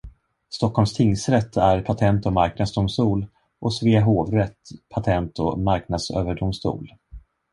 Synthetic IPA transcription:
st̪ɔkʰːɔlmst̪ʰɪŋːsɾɛt̪ʰːæɾpʰat̪ʰɛnt̪ɔmaɾknad̪sd̪ʊmst̪uːl | ʔɔsveːɦoːvɾɛt̪pʰat̪ʰɛnt̪ʰɔmaɾknad̪sø̰ːvəɖʊmst̪ṵːl

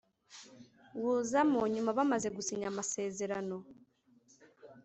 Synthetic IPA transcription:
wuːzamoɲumaβamaze̞ɡusiɲamase̞ːze̞ɾano̞

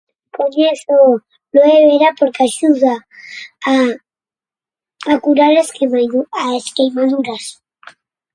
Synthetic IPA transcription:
koɲeθo | loeβeɾapoɾkeaʃuða | kuɾaɾesmauaeskejmaðuɾas

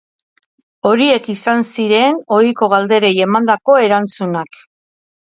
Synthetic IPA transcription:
o̞ɾie̞kisansiɾe̞no̞iko̞ɣald̪e̞ɾe̞je̞mand̪ako̞e̞ɾant͡sunak

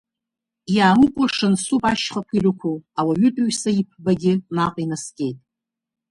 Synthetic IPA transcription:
jaːmɨkʷʼaʂɨnsupʼaʃχakʷʰirʷʊkʷʰuawaɥʏtʼaɥsaip̚ʰbaɡʲɪnaqʼinasɡʲʼe̞jtʼ

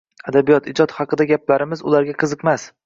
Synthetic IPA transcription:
ad̪abijɒt̪ɪd͡ʒɒt̪χhɑqɨd̪aɡʲaplaɾɪmɪzʊ̰laɾɡʲaqʰɨzɨqmas

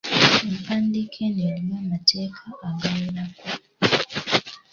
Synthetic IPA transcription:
empandikʰenenimamatʰekʰaʔːɡaminako

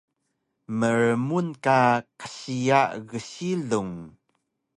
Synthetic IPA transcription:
məɾəmunkaqə̥ɕijaʔɣəɕiɮuŋ

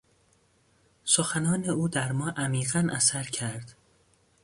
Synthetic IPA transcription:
soxænɒːneuːd̪æɾmɒːʔæmiːɣænʔæsæɾcʰæɾd̪̥

